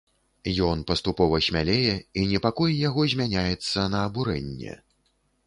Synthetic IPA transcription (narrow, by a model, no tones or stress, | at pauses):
jɔnpɐst̪upɔvɐsʲmʲalʲejɛinʲɛpakɔjjaɣɔzʲmʲanʲajɛt̪sːɐnɐːbuɾɛ̰nʲːɛ̰